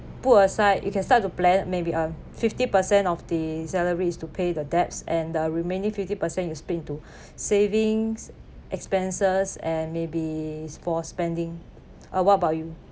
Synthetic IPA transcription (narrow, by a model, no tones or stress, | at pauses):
putəsaɪjʔṵkɛ̃nstat̚ːuplɛ̃nmebiʔa | fiftipəsɛ̃nɔfdəsɛləɹiːstupʰedədɛp̚sɛ̃ndəɹimẽnĩŋfiftipəsɛ̃njuspitĩntu | sevĩŋs | ʔɛkspɛ̃nsəsɛ̃nmebisfɔspɛ̃ndɪ̃ŋ | ʔəwɔtəbaʊtju